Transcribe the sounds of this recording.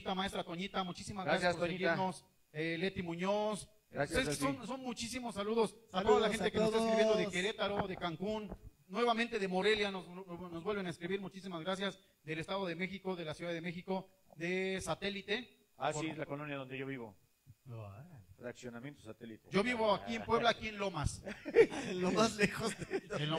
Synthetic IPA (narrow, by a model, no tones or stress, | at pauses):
t̪amaest̪ɾat̪oɲit̪amut͡ʃisimazɣɡɾajjaspoɾseiɣiɾnos | ele̞t̪imũɲos | ɾasjessonso̞nmut͡ʃisimosːaluðo̞saoðalaxent̪ekesekɾiββjend̪oðekeɾet̪aɾoðekaŋkunː | we̞βamẽnt̪e̞ðemo̞ɾe̞ljanoznozβwe̞lβe̞naeskɾiβiɾmut͡ʃisimazɣɾas̬jaz | ðele̞st̪aðo̞ðeme̞xiko̞ðe̞lasjuðaðeme̞xiko̞ | ðe̞sat̪e̞lit̪e̞ | apielakolonjaðond̪eʝoβiβo̰ | raksjonamjent̪osat̪elit̪ed͡ʒo̞βiβoakiempwe̞βlaːkienlo̞mas | omazlexoze